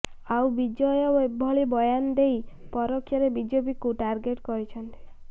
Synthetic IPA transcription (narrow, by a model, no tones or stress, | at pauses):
awbid͡ʒɔjɔwebːɔɭibɔjand̪ejpɔɾɔkʰjɔɾebid͡ʒobikuʈaɾɡeʈkɔɾit͡ʃʰɔnt̪i̥